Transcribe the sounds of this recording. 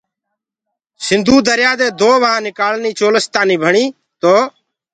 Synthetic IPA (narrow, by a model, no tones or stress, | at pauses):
sɪnd̪ʱuːd̪əɾjaːd̪eːd̪oːʋəɦãːnɪkaːlniːt͡ʃoːləst̪aːniːbʱəɳiː | t̪oː